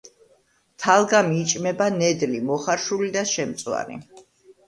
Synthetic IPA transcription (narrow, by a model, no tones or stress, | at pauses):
t̪ʰalˠɡamiːt͡ʃʼmɛbanɛd̪limɔχaɾʃulid̪aʃɛmt̪sʼwa̰nḭ